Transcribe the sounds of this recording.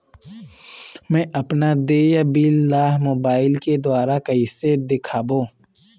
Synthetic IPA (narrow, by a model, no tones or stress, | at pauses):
mɛ̃ːʔɐpnad̪eːjabilːaːɦmoːbaːɪlked̪ʊaːɾakɐised̪ɪkʰaːbõː